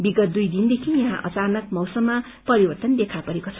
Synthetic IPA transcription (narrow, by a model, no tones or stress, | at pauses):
biɡʌt̪̚d̪ujd̪ind̪ekʰijʌɦã̰ʔʌ̰t͡sanʌkmʌwsʌmːa | pʌɾibʌrt̪ʌnd̪ekʰapʌɾekot͡sʰʌ̥